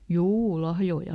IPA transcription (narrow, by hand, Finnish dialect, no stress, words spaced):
juː lɑhjoi